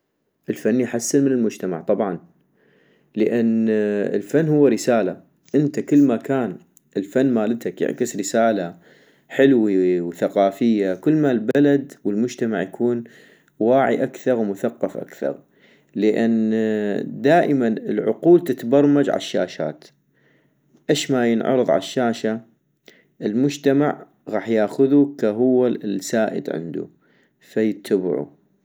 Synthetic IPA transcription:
ʔəlfanːijħasːɪnmɪnəlmʊd͡ʒt̪ama̰ʕt̪ˤɑbʕɑn | ləʔanɪ̰lfanːhʊwːaɾɪsaːla | ʔɪnt̪akɪlːmakaːn | ʔɪlfanːmaːlɪt̪akjɪ̰ʕkɪsɾɪsaːla | ħɪlwiwθaqɑːfɪjːakɪlːmalbalad̪wəlmʊd͡ʒt̪ama̰ʕjakʰuːn | waːʕḭʔakθɑɾˤwmʊθaqːɑfʔa̰kθɑ̰ɾˤ | ləʔanː | d̪aːʔəmanəlʕʊ̰quːlt̪ɪt̪bɑɾˤmad͡ʒʕa̰lʃːa̰ːʃa̰ːt̪ | ʔeʃmajənʕɑ̰ɾˤɨðˤʕa̰lʃːaːʃa | ʔɪlmʊd͡ʒt̪amaʕ | ɣɑːħjaːxʊðukaɦʊwːasaːʔɪ̰d̪ʕɪ̰nd̪ṵ | fajɪt̪ʰːab̰ʕṵ

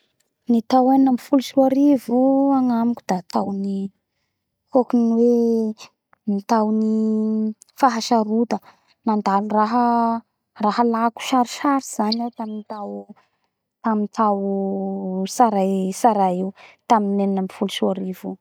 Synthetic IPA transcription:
nit̪awannəmifulusuaɾivuaŋamikʲud̪̥at̪awni | hokuniwe | mit̪awni | faɦaʃaɾut̪ə | nand̪aluraɦə | rahəlaku̥ʃaɾiʃaɾiz̥anawt̪aminit̪aw | t̪amint̪aw | saɾasaɾaiwt̪aminennəmifuluʃuaɾivu

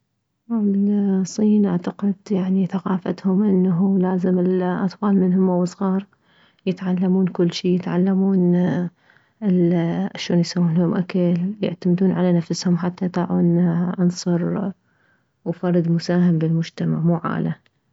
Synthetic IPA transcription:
ablsˤːiːnʔaʕt̪aqɪd̪jaʕniθaqɑːfa̰t̪hʊmʔɪnːaɦulaːzɪmɪlʔɑt̪ˤfɑːlmɪnhʊmawɨsˤɣɑːɾˤ | jɪt̪ʕalːamuːnkʊlːʃiːjɪt̪ʕalːamuːn | ɪʔaʃoːnjsawːuːnhʊmʔakaljɪʕt̪amɪd̪uːnʕalanafshʊmħat̪ːajt̪ˤɑːʕuːnʔɑnsˤɑɾˤ | wfɑrˤːɨd̪mʊsaːhɪmbɪlmʊd͡ʒt̪ama̰ʕmuːʕa̰ːla

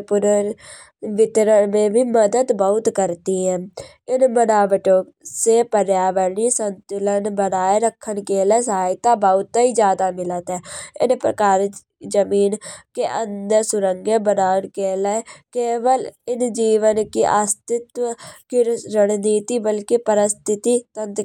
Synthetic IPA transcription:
pʊɾəɾ | ʋɪt̪ɾəɳmẽːbʱiːməd̪əd̪bəʊt̪kəɾt̪iːɦɛ̃ː | ɪnmənaːʋəʈõː | seːpəɾjaːʋəɾniːsənt̪ʊlənbənaːeɾəkʰːənkeːlɛːsɦaːjɪt̪aːbəʊt̪ːiːd͡ʒjaːd̪aːmɪlət̪ɛːɪ̰npɾə̰kaːɾ | d͡ʒəmiːnkeʔənd̪əːsʊɾəŋɡẽːbənaːənkeːlɛːkeːʋəlɪnd͡ʒiːʋənkiʔast̪ɪt̪kiɾəɽniːt̪iːbəlkepəɾəst̪ʰɪt̪iːt̪ənt̪

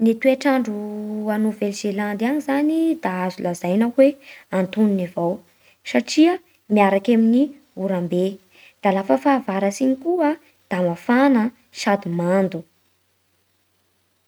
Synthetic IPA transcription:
nit̪ueʈ͡ʂaɳɖ͡ʐuanovelʒ̥eland̪anizanid̪̥aazulazajnakweant̪uninivaw | saʈ͡ʂiə | miaɾakamini | uɾambe | d̪̥alafəfaːvaɾasiɲikuə | d̪̥amafanə | ʃad̪umand̪u

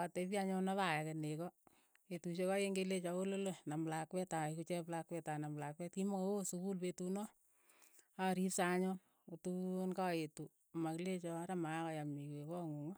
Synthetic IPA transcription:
atepjaɲɔnaβajakenekɔ | etuʃekajeŋɡelet͡ʃɔkololonamlakwɛtakut͡ʃɛplakwɛtanamlakwɛtkimɔkoosukulpetunɔ | aɾipsaɲɔn | otunkaetu | makilet͡ʃɔɾamakɔjamikwekɔŋuŋɔ

